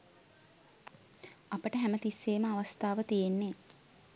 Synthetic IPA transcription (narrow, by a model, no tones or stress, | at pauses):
ɐpəʈəɦæmət̪isːeːməaʋast̪aːʋət̪ijenːe